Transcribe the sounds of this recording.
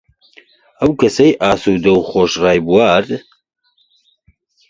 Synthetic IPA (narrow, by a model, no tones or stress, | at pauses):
ɐwkʰɐsɐjʔaːsud̪ɐwxoːʃraːjbuwaːɾ